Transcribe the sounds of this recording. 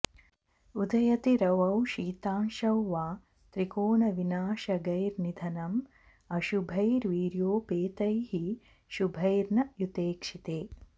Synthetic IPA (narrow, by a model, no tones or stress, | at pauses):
ud̪ʱɐjɐt̪iɾɐʋɐwʃiːt̪aːnʃɐwːaː | t̪ɾikoːnɐʋinaːʃɐɡɐjɾnid̪ʱɐnɐm | ɐʃubʱɐjɾʋiːɾjoːpeːt̪ɐjhi | ʃubʱɐjɾnɐjut̪eːkʂit̪eː